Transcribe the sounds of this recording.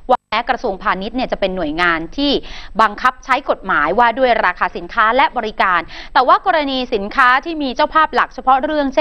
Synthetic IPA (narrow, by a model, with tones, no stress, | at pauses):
waː˥˩ɛː˦˥kɾa˧su˧əŋpʰaː˧ni˦˥t̪̚ni˥˩t͡ɕa˨˩pe˧nːu˨˩əjŋaː˧nt̪ʰiː˥˩ba˧ŋkʰa˦˥p̚t͡ɕʰa˦˥jko˨˩t̪̚maː˩˦jwaː˥˩du˥˩əjɾaː˧kʰaː˧si˨˩˦nkʰaː˦˥lɛ˦˥ʔbɔː˧ɾi˦kaː˧nt̪ɛː˨˩waː˥˩kɔː˧ɾa˧niː˧si˩˦nkʰaː˦˥t̪ʰiː˥˩miː˧t͡ɕaː˥˩wpʰaː˥˩p̚la˨˩k̚t͡ɕʰa˧pʰɾɔ˦˥ɾɯ˥˩əŋt͡ɕʰe˥